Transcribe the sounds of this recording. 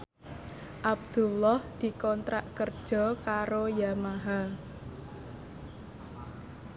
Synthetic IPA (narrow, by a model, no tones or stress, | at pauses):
ʔab̚d̪̥ṳlɔhd̪̥i̤kɔnt̪ɾaʔkərd̥ʒ̥ɔ̤kaɾojamaɦal